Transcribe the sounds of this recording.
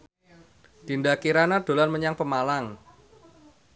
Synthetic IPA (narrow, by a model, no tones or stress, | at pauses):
d̪̥i̤ndakiɾanad̪̥o̤lanməɲaŋpəmalaŋ